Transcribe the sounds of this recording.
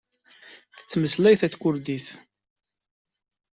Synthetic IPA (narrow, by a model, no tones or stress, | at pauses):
θə̥t͡sːməslæjθæt͡skʷʊɾd̪iθ